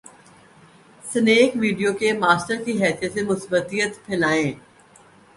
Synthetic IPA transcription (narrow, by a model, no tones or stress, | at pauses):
səneːkʋiːɖijokemaːsʈəɾkiɦɛːsijət̪semʊsbət̪iːjət̪pʰɪlaːẽː